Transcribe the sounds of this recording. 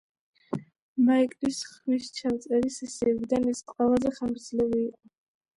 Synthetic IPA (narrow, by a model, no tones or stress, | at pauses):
maikʼlisχmist͡ʃʰamt̪sʼɛɾisɛsiɛbid̪anɛsqʼwɛlazɛχamɾd̪zlɛviːqʼɔ